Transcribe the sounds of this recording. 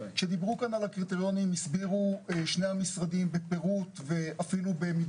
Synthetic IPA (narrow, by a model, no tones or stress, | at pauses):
ʃe̞d̪ibʁukanalakʁit̪eʁjo̞nimisbiʁuʃne̞amisʁadimbepe̞ʁut̪ve̞afilube̞mi